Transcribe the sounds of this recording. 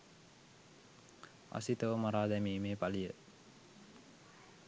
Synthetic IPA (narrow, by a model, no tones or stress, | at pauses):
a̰sit̪əʋəmaɾaːd̪æmiːmeːpalijə